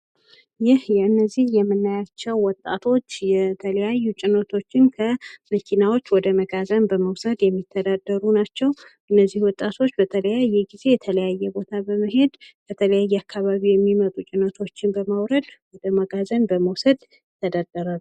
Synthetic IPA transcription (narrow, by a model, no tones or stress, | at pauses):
jɪhjɛɨnːəzːihjɛmːɨnːajat͡ʃːɛwwɔt̪ʼːat̪ʰo̞t͡ʃːjɛt̪ʰələjajːut͡ʃʼɪnət̪ʰo̞t͡ʃːɪnkʰəməkʰinawo̞t͡ʃːwɔd̪əməɡazənbəməwsəd̪jɛmːit̪ʰːəd̪ad̪ːəɾunat͡ʃːɛwʔɨnːəzːihwɔt̪ʼat̪ʰo̞t͡ʃːbət̪ʰələjajːɛɡize̞jɛt̪ʰələjajːɛbo̞t̪ʰabəməɦe̞d̪bʰət̪ʰələjajːɛakʰːaβaβijɛmːimət̪ʼut͡ʃʼɪnət̪ʰo̞t͡ʃːɪnbəmawɾəd̪wɔd̪əməɡazənbəməwsəd̪ | ɪt̪ʰːəd̪ad̪̥ːəɾalu